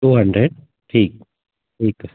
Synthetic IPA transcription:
uːɦɐɳɖɾeɖ | ʈʰiːk̚ | ʈiːk

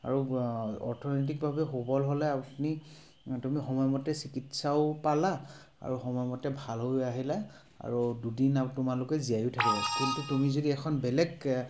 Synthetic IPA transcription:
a̰ɹuɔ̰ɹtʰɔnet̬ik̚bʱabɛɦobɔlɦolɛapni | tumixɔmɔjmɔtɛsikitsaʊpala | a̰ɹuxɔmɔjɔmɔtɛbʱalɦojaɦila | a̰ɹududinaptʊmalʊkɛzijajutʰakibakintutumizodiɛkʰɔnbɛlɛɡ

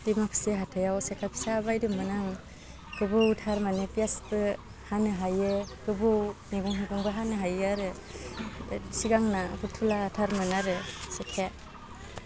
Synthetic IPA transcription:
dimakʰseɦatʰɯjawsekʰapʰi̥saːbajdɯmɯnaŋ | kɯbɯwtʰaɾmanepijasbɯ | hanɯɦajɯkɯbɯwniɡuŋɦiɡuŋbɯɦanɯɦajaɾɯ | siɡaŋnaɡɯtʰulatʰaɾmɯnaɾɯsekʰe

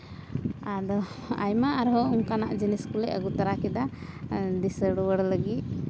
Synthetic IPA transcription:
ad̪ɔ | a̰jmaaɾɦɔuŋkanaʔd͡ʒiniskulɛʔə̰ɡut̪aɾakɛd̪a | d̪isəɽwəɽləɡit̪̚

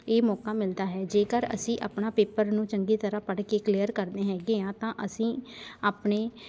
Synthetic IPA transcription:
eːmɔːkaːmɪld̪aːɦɛːd͡ʒeːkəɾə̰sĩːʔa̰ːpnaːpeːpəɾnũːt͡ʃəŋɡiːt̪əɾaːpəɽkeːklijəɾkəɾd̪eːɦɛːɡeːãːt̪ãːʔəsĩːaːpɳeː

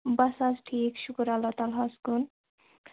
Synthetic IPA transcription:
basazʈʰikʃukɾalːat̪alɦaskun

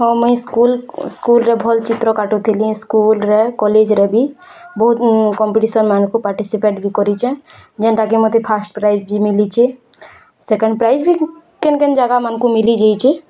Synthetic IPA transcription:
ɦɔmɔĩskulskulɾebʱɔlt͡ʃit̪ɾɔkaʈut̪ʰiliskulɾekɔled͡ʒɾebʱi | bɔɦut̪kɔmpiʈisənmankupaɾʈisipeʈbʱikɔɾit͡ʃʰɛ̃d͡ʒɛnʈakimɔt̪ʰipʰasʈpɾaid͡ʒbʱimilit͡ʃʰɛ | sekə̃ɳɖpɾajd͡ʒbʱi | kenkend͡ʒaɡamankumilid͡ʒajt͡ʃʰɛ

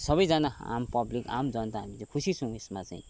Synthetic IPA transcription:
sʌbʌjd͡zʌnaa̰mpʌblika̰md͡zʌnt̪aɦamit͡saĩkʰusisʰʌ̃w̃esmat͡saĩ

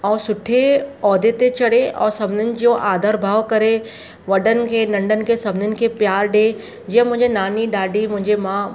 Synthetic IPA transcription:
ɛ̃ːsʊʈʰeɔːd̪et̪et͡ɕɐɽeɛ̰̃ːsɐbʱɪnənɪ̆d͡ʑoːʔaːd̪ʱəɾbʱaːʋkɐɾe | ʋɐɗənɪ̆kʰeːnɐ̃ɳɖənɪ̆kʰeːsɐbʱɪnənɪ̆kʰeːpjaːɾɗe | d͡ʑiːə̃mʊ̃ɦɪ̃ɲd͡ʑenaːniɗaːɖimʊ̃ɦɪ̃ɲd͡ʑemãː

